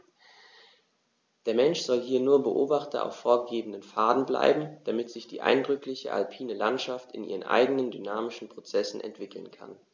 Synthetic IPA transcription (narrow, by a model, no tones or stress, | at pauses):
d̥eːɐmɛnʃz̥ɔlɦiːɐnuːɐbəʔoːbaχtɐ̰ʔa̰ʊfːoːɐɡeːbn̩dənfaːdn̩bla̰ɪbm̩d̥amɪtz̥ɪçd̥ḭːʔa̰ɪndʁʏklɪçə̰ʔa̰lpʰiːnəlantʃaftɪnʔiːʁ̞ənʔa̰ɪɡənəndynaːmɪʃn̩pʁ̥ot͡sɛsn̩ʔɛ̰ntv̥ɪkʰl̩nkʰa̰n